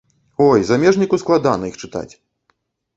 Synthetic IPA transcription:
ɔjzamʲɛʐnʲikusklˠad̪a̰nɐixt͡ʂɨt̪a̰t͡sʲ

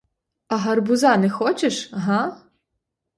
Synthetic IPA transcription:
ɐɦɐrbʊzɑnɛxɔt͡ʃeʃɦa

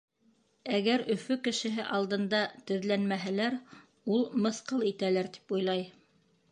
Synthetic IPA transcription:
æɡæɾʔɵ̆fɵkɘ̆ʃɘ̆ɦɘʔɑlˠd̪ɤ̆nd̪ɑt̪ɵ̆ðlænmæɦælæɾ | ulˠmɤ̆θqɤlˠit̪ælæɾt̪i̥pujlˠɑj

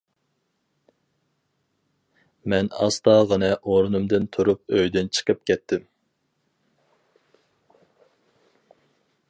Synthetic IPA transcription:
mɛnɑ̰st̪ɑːʁɑnɨʔoɾunumd̪ɨnt̪ʰuɾup̚øjd̪ɪnt͡ʃʰə̥qʰəp̚kʲʰɛt̪ʰːɪm

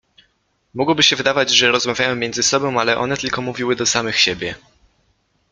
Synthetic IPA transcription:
mɔɡwɔbɘɕɛvɘd̪avad͡ʑʐɛɾɔzmavʲjajɔ̃w̃mʲɛndzɘsɔbɔ̃w̃alɛʔɔ̰nɛt̪ɘlkɔmuvʲiwɘd̪ɔsamɘxɕɛbʲjɛ

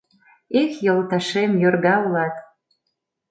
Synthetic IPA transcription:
ikjɤlt̪ɑʃemjorɣɑulɑt̪

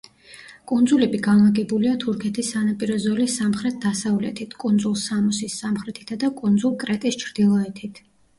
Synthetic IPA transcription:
kʼund̪zulɛbiɡanlˠaɡɛbuliat̪ʰuɾkʰɛt̪ʰisːanapʼiɾɔzɔlisamχɾɛt̪̚d̪̥asavlɛ̰t̪ʰit̪ʰkʼund̪zulˠsamɔsisːamχɾɛt̪ʰi̥t̪ʰad̪akʼund̪zulˠkʼɾɛt̪ʼist͡ʃʰɾd̪̥ilˠɔɛt̪ʰit̪ʰ

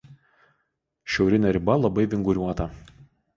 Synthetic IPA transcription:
ʃʲɛʊɾʲɪnʲɛɾʲɪbɐlˠɐbɐɪʋʲɪŋɡʊɾʲuɔt̪ɐ

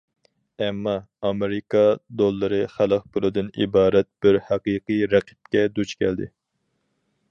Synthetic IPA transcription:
ɛmːɑː | meɾɪkʰɑd̪olˠːɨɾɨχælˠəq̚bulˠɨd̪ɨnḭbɑːɾɛt̪̚b̥ɪɾhɑqiqɨɾæqʰɨ̥p̚kʲɛd̪ut͡ʃkʲʰɛld̪ɪ

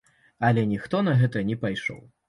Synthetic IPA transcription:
ɐlʲɛnʲixt̪ɔnɐɣɛt̪ɐnʲɛpajʂɔ̰w

